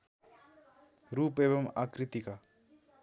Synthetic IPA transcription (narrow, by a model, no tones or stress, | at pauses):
ɾuːpeːʋɐma̰kɾit̪ika